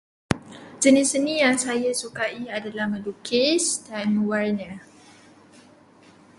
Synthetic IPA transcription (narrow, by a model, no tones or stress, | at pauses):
d͡ʒənisənĩjaŋsajasukaiadalahmə̃dukʰɪsdanmə̃warɲã